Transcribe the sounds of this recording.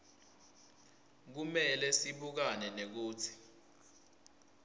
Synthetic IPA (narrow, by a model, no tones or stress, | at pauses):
k̬umɛlɛsiɓuk̬anɛnek̬uːt͡sʰi̥